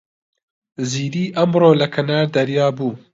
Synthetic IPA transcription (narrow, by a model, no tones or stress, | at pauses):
ziːɾiːʔɐmɾoːlɐkʰɐnaːɾd̪ɐɾjɑːbuː